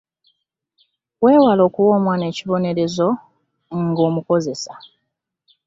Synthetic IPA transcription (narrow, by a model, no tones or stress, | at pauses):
we̞ːwalo̞ːkuwo̞ːmwaːne̞ːciβo̞ne̞ɾe̞zo̞ | ŋɡo̞ːmuko̞ze̞sa